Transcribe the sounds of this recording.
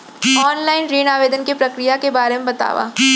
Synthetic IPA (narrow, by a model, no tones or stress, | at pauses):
ɔːnlaːɪnɾiːnaːʋeːd̪ənkepɾɐkɾijakebaːɾemẽbɐt̪a̰ːʋa̰ː